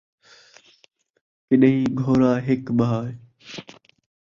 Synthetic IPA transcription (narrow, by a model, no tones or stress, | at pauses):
kɪɗɦĩːɡʱoːɾaːɦɪkɓaːj